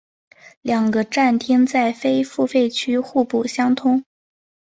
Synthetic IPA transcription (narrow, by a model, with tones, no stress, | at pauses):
ljɑ˨˩ŋɡə˦ʈ͡ʂa˥˩nt̪ʰi˥ŋt͡sa˥˩ɪfe˥ɪfu˥˧fe˥˩ɪt͡ɕʰy˥xu˥˧pu˥˩ɕjɑ˥ŋt̪ʰʊ˥ŋ